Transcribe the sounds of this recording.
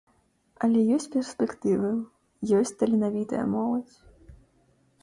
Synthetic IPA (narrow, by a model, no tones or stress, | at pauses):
ɐlʲɛjɔsʲt͡sʲpʲɛrspʲɛkt̪ɨvɨ | jɔsʲt͡sʲt̪ɐlʲinavʲit̪ɐ̰jɐ̰mɔlˠɐt͡sʲ